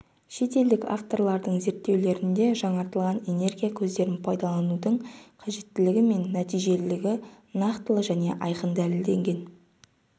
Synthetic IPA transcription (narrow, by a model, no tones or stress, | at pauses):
ʃe̞t̪e̞ld̪ɪka̰ft̪o̞ɾlˠɑɾd̪əɴze̞ɾt̪ːe̞wle̞ɾɪnd̪e̞ʒɑɴɑɾt̪əlˠʁɑne̞ne̞rɡʲijakʲʰɵzd̪e̞ɾɪnpʰɑjd̪ɑlˠɑnud̪əɴqʰɑʒe̞t̪ːɪlɪɡʲɪme̞nːæt̪ijʒe̞llɪɡʲɪ | nɑqt̪əlˠəʒæne̞̰ʔɑjqənd̪ælɪld̪e̞ŋɡʲe̞n